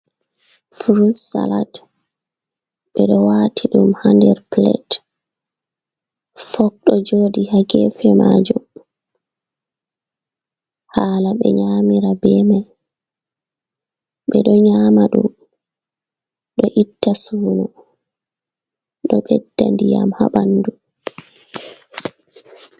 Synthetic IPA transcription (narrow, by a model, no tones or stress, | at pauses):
fɾudsa̰la̰t | ɓɛɗɔwaːtʰiɗumhandɛɾplɛ̰t | fɔk̚ɗɔd͡ʒoːdihaɡɛfɛmad͡ʒum | haːlaɓɛɲamiɾabɛmaj | ɓɛɗɔɲaːmaɗum | ɗɔʔitːasuːnu | ɗɔɓɛdːandijamha̰ɓandu